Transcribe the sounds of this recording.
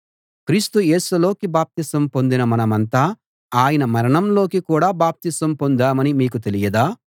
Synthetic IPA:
kɾiːst̪uje̞ːsulo̞ːkibaːp̚t̪isɐmpo̞nd̪inɐmɐnɐmɐnt̪aː | aːjɐnɐmɐɾɐɳɐmlo̞ːkikuːɽaːbaːp̚t̪isɐmpo̞nd̪aːmɐnimiːk̬ut̪elijɐd̪aː

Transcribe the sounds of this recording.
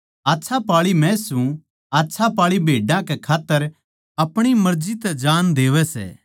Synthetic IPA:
aːtːsʰapaːɭimɛ̃sũ | aːtːsʰapaːɭibʱeːɖãkɛkʰaːt̪ːəɾ | ɐpɽ̃imɐɾd͡ʒit̪ɛd͡ʒaːnd̪eːʋɛsɛ̰ː

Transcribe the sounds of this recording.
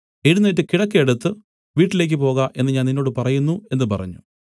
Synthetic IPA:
eɽunːɐt̬ːɨkiɽɐkːijeɽut̪ːɨ | ʋiːʈːile̞ːk̬ːɨpo̞ːɣaʔe̞nːɨɲaːninːo̞ːɽɨpɐrɐjunːue̞nːɨpɐrɐ̰ɲːṵ

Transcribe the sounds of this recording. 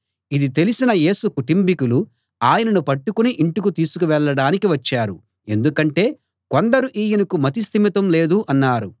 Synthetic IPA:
id̪it̪e̞lisinɐje̞ːsukuʈimpikulu | aːjɐnɐnupɐʈːukuniʔiɳʈukut̪iːsu̥kuʋɛɭːɐɽaːnikiʋɐt͡ʃːaːɾu | e̞̰nd̪ukɐɳʈe̞ː | kond̪ɐɾuʔiːjɐnɐkumɐt̪̬ist̪imɐt̪ɐmle̞ːd̪uʔɐnːaːɾu

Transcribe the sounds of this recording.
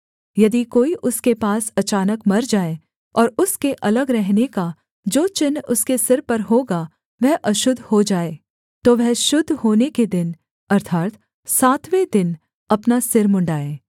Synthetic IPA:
jɐd̪ikoːiʔʊskepaːsɐt͡ʃaːnəkmɐɾd͡ʒaːe | ɔːɾʊskeʔɐləɡɾɛɦneka | d͡ʒoːt͡ʃɪnʊskesɪɾpɐɾɦoːɡa | ʋɛɦʔɐʃʊd̪ʱhod͡ʒaːeː | t̪oːʋɛɦʃʊd̪ʱːhoːneked̪ɪn | ɐɾt̪ʰaːt̪ | saːt̪ʋed̪ɪn | ɐpnasɪɾmʊ̃ɳɖaːeː

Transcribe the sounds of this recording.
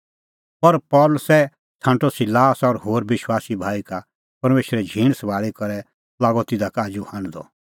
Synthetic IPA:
pɐɾpɔːləsɛ | t̪ʰãːɳʈɔsɪlaːsɔɾhoːɾbɪʃwaːsibʱaːika | pɐɾmeːʃɾɛd͡ʒʱĩːɽ̃sɐbaːɭikɐɾɛ | laːɡɔt̪ɪd̪akaːd͡ʒuhãːñd̪ɔ̰

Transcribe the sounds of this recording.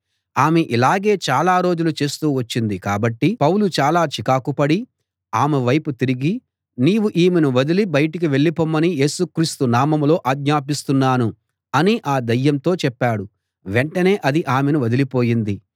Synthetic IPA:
aːmeʔilaːɡe̞ːt͡ʃaːlaːɾo̞ːd͡ʒulut͡ʃe̞ːst̪uːʋɐt͡ʃːind̪ikaːbɐʈːipɐwlut͡ʃaːlaːt͡ʃikaːkupɐɽi | aːmeʋɐjput̪iɾiɡi | niːwuʔiːmenuʋɐd̪ilibɐjɐʈik̬iʋe̞ɭːipoːmːɐnije̞ːsukɾiːst̪unaːmɐmlo̞ːʔaːɡɲaːp̬ist̪unːaːnu | ɐniʔaːd̪ɐjːɐmt̪o̞ːt͡ʃɛpːaːɽu | ʋeɳʈɐne̞ːʔɐd̪iʔaːmenuʋɐd̪ilipo̞ːjind̪i

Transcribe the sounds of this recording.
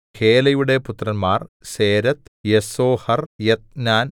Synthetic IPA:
heːlɐjuɽe̞put̪ːrɐnmaːrseːɾɐt̪jesoːhɐrjet̪̚naːn

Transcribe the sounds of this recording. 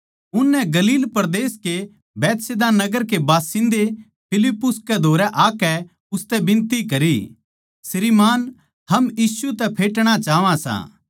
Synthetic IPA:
ʊnːɛɡɐliːlpɐɾd̪eːske | bɛːt̪sed̪anɐɡəɾkebaːsɪ̃nd̪e | pʰɪlɪpːʊskɛd̪ʱoːɾɛʔaːkɛ | ʊst̪ɛbɪ̃nt̪ikɐɾḭ | sɪɾiːmaːn | hɐmjiːsut̪ɛpʰeːʈɽ̃at͡ʃaːʋãsã̰ː

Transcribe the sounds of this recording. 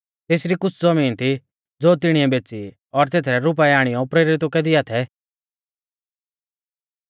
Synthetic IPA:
t̪eːsɾikʊt͡sʰd͡zɐmiːnt̪ʰi | d͡zoːt̪ɪɽ̃iɛbeːt͡si | ɔɾt̪eːt̪ʰɾɛɾʊp̬ɛɛaːɽ̃ɪjɔpɾeːɾɪt̪okɛd̪iat̪ʰɛ

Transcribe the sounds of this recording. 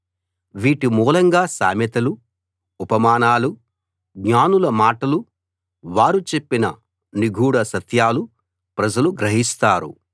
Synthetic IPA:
ʋiːʈimuːlɐŋɡaːsa̰ːmɐt̪ɐlu | upɐmaːnaːlu | ɡɲaːnulɐmaːʈɐlu | ʋaːɾut͡ʃe̞pːinɐ | niɡʱuːɽɐsɐt̪ʰjaːlu | pɾɐd͡ʒɐluɡɾɐɦist̪aːɾṵ

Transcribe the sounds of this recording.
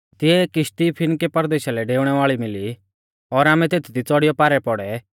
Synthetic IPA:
t̪ɪɛkɪʃʈ̪ipʰɪnkepɐɾd̪eːʃalɛɖeːʊɽ̃ɛʋaːɭimɪli | ɔːɾaːmɛ̃t̪eːt̪ʰid̪it͡sɔɽɪjɔpaːɾɛpɔɽɛ

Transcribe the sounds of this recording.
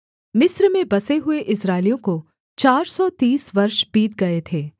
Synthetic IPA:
mɪsɾmẽbɐseɦʊeʔɪsɾaːɪlijõko | t͡ʃaːɾsɔt̪iːsʋɐɾʃbiːt̪̚ɡɐet̪ʰeː

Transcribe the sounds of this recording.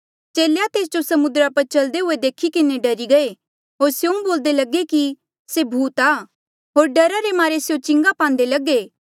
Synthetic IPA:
t͡ʃeːlejat̪eːs̬d͡ʒosɐmʊd̪ɾapɐɾt͡ʃɐld̪eɦʊed̪eːkʰikɪneɖɐɾiɡɐe | ɦoːɾsjoũboːld̪elɐɡeki | sebʱuːt̪aː | ɦoːɾɖɐɾaɾemaːɾesjõt͡ʃɪ̃ŋɡapãːnd̪elɐɡeː

